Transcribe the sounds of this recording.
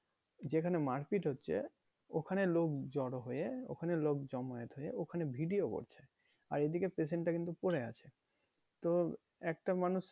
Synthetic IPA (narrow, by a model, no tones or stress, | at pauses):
d͡ʑekʰanemaɾkiʈɦotːɕʰḛ | okʰanelokd͡ʑɔɽoɦojeo̰kʰanelok̚d͡ʑɔmojet̪ɦojeokʰanebʱiɖioko̰ɾt͡ɕʰe | aɾed̪ikepɾes̬eɳʈːakint̪upoɾea̰t͡ɕʰe | t̪o | ɛk̚ʈamanuʃ